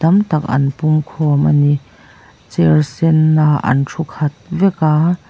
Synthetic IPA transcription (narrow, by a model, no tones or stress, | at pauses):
ɐmt̪ɐk̚ʔɐ̰npumkʰɔːmɐni | t͡sɛrsɛnːaːʔɐ̰nʈ͡ʂʰukʰɐt̪̚vɛkaː